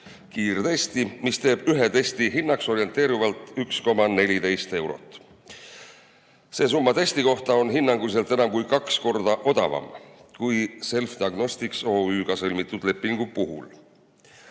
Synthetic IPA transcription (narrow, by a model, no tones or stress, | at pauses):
kiːrt̪e̞st̪imist̪e̞ːb̥yɦet̪e̞st̪iɦinːɑkso̞ɾie̞nt̪ˑe̞ːɾivɑlt̪ˑyksko̞mɑne̞lʲit̪e̞jst̪e̞wɾo̞̰t̪ːˑ | se̞ːs̬umːɑt̪e̞st̪iko̞ht̪ɑo̞nɦinːɑŋɡ̥us̬e̞lt̪e̞nɑmkujkɑksko̞rd̪̥ɑʔo̞d̪ɑvɑ̰mkujse̞lfd̪̥iɑɡno̞st̪ikso̞ːyːɡ̥ɑsɤlʲmit̪ːˑud̪̥le̞pːˑiŋɡ̥upuɦṵl